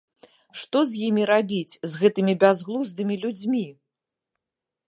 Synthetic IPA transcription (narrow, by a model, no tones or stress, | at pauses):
ʂt̪ɔzʲjimʲiɾabʲit͡sʲzɣɛt̪ɨmʲibʲazɣlˠuzd̪ɨmʲilʲud͡zʲmʲi